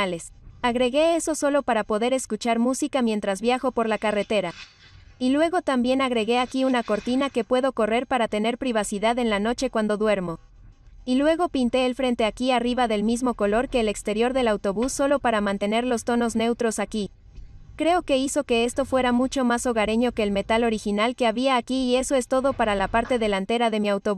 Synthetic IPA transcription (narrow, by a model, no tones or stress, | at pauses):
ale̞saɣɾe̞ɣe̞eso̞so̞lo̞paɾapo̞ðe̞ɾe̞skut͡ʃaɾmusikamje̞nt̪ɾazβjaxo̞po̞ɾlakare̞t̪e̞ɾa | ilwe̞ɣo̞t̪ambje̞naɣɾe̞ɣe̞akiunako̞ɾt̪inake̞pwe̞ðoko̞re̞ɾpaɾat̪e̞ne̞ɾpɾiβ̞asiðaðe̞nlano̞t͡ʃe̞kwand̪o̞ðwe̞ɾmo̞ | ilwe̞ɣ̞o̞pint̪e̞ːlfɾe̞nt̪e̞akiariβaðe̞lmizmo̞ko̞lo̞ɾke̞ːle̞kst̪e̞ɾjo̞ɾðe̞lawt̪o̞βusːo̞lo̞paɾamãnt̪e̞ne̞ɾlo̞st̪o̞no̞zne̞wt̪ɾo̞saki | kɾe̞o̞ke̞iso̞ke̞e̞st̪o̞fwe̞ɾamut͡ʃo̞maso̞ɣaɾe̞ɲo̞ke̞ːlme̞t̪alo̞ɾixinalke̞aβiaːkiːe̞so̞e̞st̪o̞ðo̞paɾalapaɾt̪e̞ðe̞lant̪e̞ɾaðe̞miawt̪oβ